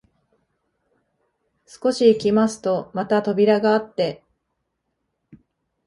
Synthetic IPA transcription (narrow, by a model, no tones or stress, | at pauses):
sɨ̥ko̞ɕiːkʲimasɨ̥t̪o̞mat̪at̪o̞bʲiɾaɡaːt̪ːe̞